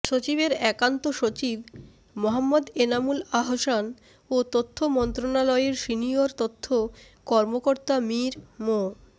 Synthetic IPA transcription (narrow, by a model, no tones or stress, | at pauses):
ʃot͡ɕibeɾɛkant̪oʃot͡ɕib | moɦamːod̪enamulaɦoʃan | ot̪ot̪ʰːomɔnt̪ɾonalɔeeɾsinioɾt̪ot̪ʰːo | kɔɾmokoɾt̪amiɾmo